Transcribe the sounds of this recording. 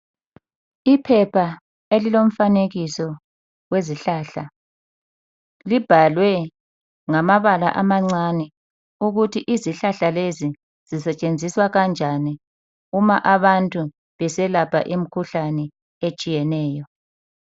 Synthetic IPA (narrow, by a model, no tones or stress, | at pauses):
ipʰɛpʰa | elilom̩faneɣisɔ | weziɬaːɬa | lib̥ʱalwɛ | ŋamaβala̰ʔamaŋ͡ǀanɛ | uɣutʰiʔiziɬaɬalezi | z̥isɛt͡ʃʼend͡zʱiswaɣand͡ʒʱani | umaʔaβantʼu | βɛsɛlapʰa̰ʔim̩kʰuɬanɛ | et͡ʃʼijɛnɛːjɔ